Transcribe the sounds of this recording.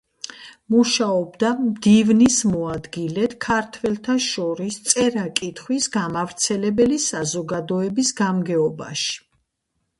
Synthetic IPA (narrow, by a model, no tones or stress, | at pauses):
muʃaɔbd̪amd̪ivnismɔad̪ɡilɛt̪kʰaɾt̪ʰwɛlt̪ʰaʃɔɾist̪sʼɛɾakʼit̪ʰχwisɡamavɾt̪sʰɛlɛbɛlisazɔɡad̪ɔɛbisɡamɡɛɔba̰ʃi̥